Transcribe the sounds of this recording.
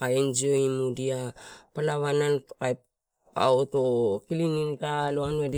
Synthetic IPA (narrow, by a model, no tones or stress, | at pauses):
aind͡ʒioimudiapalaβanalkajp | a̰otokiliŋintaloanuedi